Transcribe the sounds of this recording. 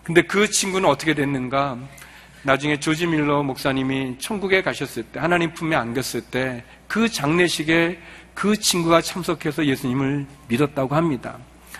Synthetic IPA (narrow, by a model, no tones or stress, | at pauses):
kɯnde̞kɯt͡ɕʰinɡunɯnʌt͈ʰʌkʰe̞dwenːɯnɡa | nad͡ʑuŋe̞t͡ɕod͡ʑimiɭːʌmok̚s͈aɲimit͡ɕʰʌŋɡuɡe̞kaɕʰʌs͈ɯɭt͈e̞hanaɲimpʰumeanɡjʌs͈ɯɭt͈e̞ | kɯt͡ɕaŋne̞ɕʰiɡe̞ | kɯt͡ɕʰinɡuɡat͡ɕʰamsʰʌkʰe̞sʰʌje̞sʰuɲimɯɭ | midʌt̚t͈aɡohamɲida̰